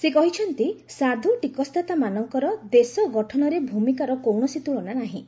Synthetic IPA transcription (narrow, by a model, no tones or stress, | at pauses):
sekɔɦit͡ʃʰɔnt̪isad̪ʱuʈikɔst̪ʰat̪amanɔŋkɔɾɔd̪esɔɡɔʈʰɔnɔɾebʱumikaɾɔkowɳɔsit̪uɭɔnanaɦĩ